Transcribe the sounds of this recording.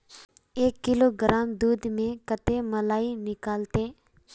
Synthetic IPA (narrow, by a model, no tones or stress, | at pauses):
eːkːɪloːɡɾaːmd̪uːd̪mẽkət̪eməlaːinɪkaːlt̪eː